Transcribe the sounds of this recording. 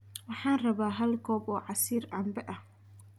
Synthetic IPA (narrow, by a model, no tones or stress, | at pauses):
wɑħɑːnrɐβaːɦɐlkʰɔːbɔːʕɑsiːrɑmbɛʔɐh